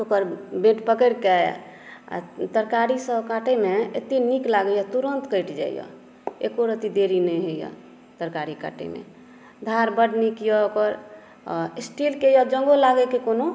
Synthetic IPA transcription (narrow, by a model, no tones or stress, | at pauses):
okəɾbẽʈpəkəɾkɛj̰a̰t̪əɾkaɾisəbkaʈemeḛt̪iniklaɡəjat̪uɾənt̪kəɪʈd͡ʒa̰ḭjɔ̰ | ḛkoɾət̪id̪eɾinəjɦəja̰ | t̪əɾkaɾika̰ʈḛmḛ | d̪ʱaɾbəɖnikijɔokəɾ | sʈilkejɔd͡ʒə̃ŋɡolaɡɛkekono